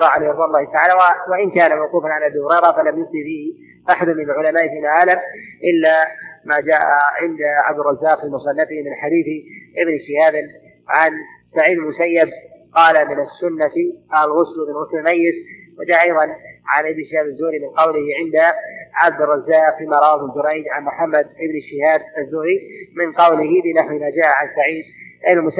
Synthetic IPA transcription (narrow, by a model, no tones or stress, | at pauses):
ɾˤɑʕalɾwaːʔlˤːɑːhɪt̪aʕaːlawawaʔɪnkaːnamawquːfanʕanʔabiːhʊɾˤejɾˤɑfalamjʊftifiːhɪ | ʔaħad̪ʊmːɪnalʕʊlamaːʔfiːlʕaːlamʔɪlːamad͡ʒaːʔaʕɪnd̪ʕabd̪ɪrˤɑzːaːqfiːlmʊsˤɑnːafɪhmɪnħad̪iːθɪʔɪbnʃɪhaːbɪn | ʕansaʕiːd̪lmʊsajːab̚qɑːlamɪnasːʊnːat̪ʔalɣʊslʔɪbnlɣʊslɪmajːɪs | wɪd͡ʒaːʔɑjðˤɑnʕanʔɪbnʃɪhaːbazːʊːɾimɪnqɑwlɪhʕɪnd̪aʕab̚d̪ɪrˤːɑzːaːqfiːmaɾˤɑwabɪd͡ʒʊɾajd͡ʒ̪ʕanmʊħamːad̪ʔɪbnʃɪhaːd̪azːʊːɾimɪnqɑwlɪhɪbɪnaħwimaːd͡ʒaːʔaʕansaʕiːd̪ʔɪnalmʊs